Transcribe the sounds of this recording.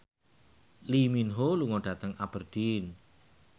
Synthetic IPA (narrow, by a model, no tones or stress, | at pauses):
liminɦoluŋoɖ̥a̤t̪əŋabərd̪̥in